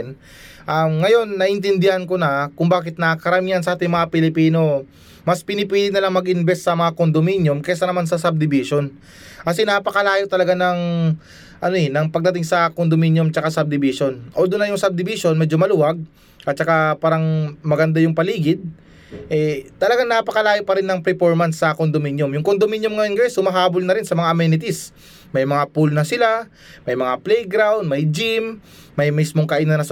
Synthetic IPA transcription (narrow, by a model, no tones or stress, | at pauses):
n | ʔaŋɐjo̞nːɐʔɪnt̪ɪnd̪ɪhɐnko̞nɐkʊŋbaːkɪt̪̚nɐkɐɾɐmijɐnsɐʔaːt̪ɪŋmɐŋapɪlɪpiːno̞ | mɐspɪnɪpiːlɪɡ̚nɐlaŋmɐɡʔɪnbɛsːɐmɐŋakond̪ominjomkɛsɐnɐmansɐsɐb̚d̪ɪbiʃo̞n | kɐsɛnapɐkɐlaːjot̪ɐlɐɡanɐŋ | ʔɐnoɛnɐŋpɐɡ̚d̪ɐt̪ɪŋsɐkond̪ominjomt͡ʃɐkasɐb̚d̪ɪbiʃo̞nʔo̞d̪ʊnːɐjʊŋsɐb̚d̪ɪbiʃonmɛd͡ʒo̞mɐluwaɡ̚ | ʔɐt̪̚t͡ʃɐkapaːɾɐŋmɐɡɐnd̪ajʊŋpɐliːɡɪd̪̚ | ʔɛt̪ɐlɐɡaŋnɐpɐkɐlaːjopɐɾɪnːɐŋpɾɛpoɹmɐnt̪sɐkond̪ominjomjʊŋkond̪ominjomŋɐjonɡɐjɛshʊmɐɦaːbolnɐɾɪnsɐmɐŋaʔɐmɛnɪt̪is | mɐjmɐŋapulnɐsɪla | mɐjmɐŋaplɛjɡɾawnd̪mɐjd͡ʒimː | ɐjmismo̞ŋkɐʔinɐnɐs